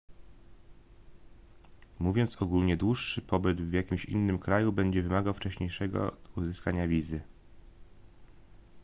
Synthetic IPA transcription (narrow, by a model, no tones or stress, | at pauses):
muvʲjɔnt̪sɔɡulɲɛd̪wuʂːɘpɔbɘd̪vjakʲimɕḭnːɘmkɾajubɛɲd͡ʑɛvɘmaɡawft͡ʂɛɕɲejʂɛɡɔ̰uzɘskaɲavʲizɘ